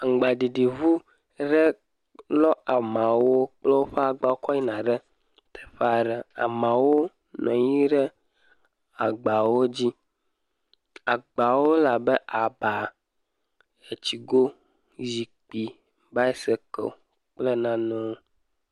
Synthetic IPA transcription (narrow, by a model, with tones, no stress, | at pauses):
ŋ̩˨ɡ͡ba˨ɖi˨ɖi˨vu˦ | ɖɛ˦ | lɔ˦a˨mã˨wo˦k͡plɛ˦wo˦ɸɛ˦a˨ɡ͡ba˨wo˦kɔ˦ɲi˦nã˨ɖɛ˦ | t̪ʰɛ̥˨ɸa˨ɖɛ˨a̰˨mã˨wo˦ | nɔ̰̃˨ji˦ɖɛ˦ | a˨ɡ͡ba˨wo˦d͡ʑi˦ | a˨ɡ͡ba˨wo˦la˨bɛ˦ʔa˨ba˨ | e˨t͡ɕi˨ɡo˦ | zi˨k͡pi˨ | ba˦ɛ˦sɛ˦kɛ̰˨ | k͡plɛ˦nã˨nɔ̃˦